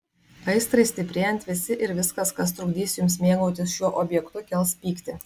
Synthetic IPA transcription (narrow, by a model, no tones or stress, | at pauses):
ɐɪst̪ɾɐɪsʲt̪ʲɪpʲɾʲeːjɛnʲt̪ʲʋʲɪsʲɪʔɪɾʋʲɪskɐskɐst̪ɾʊɡʲd̪ʲiːsʲjʊms̬mʲeːɡoːt̪ʲɪsʃʲuɔʔoːbʲjɛkt̪ʊkʲɛlˠspʲiːkt̪ʲɪ